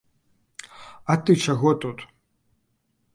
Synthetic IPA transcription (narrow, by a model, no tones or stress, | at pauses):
ɐt̪ɨt͡ʃaɣɔt̪ut̪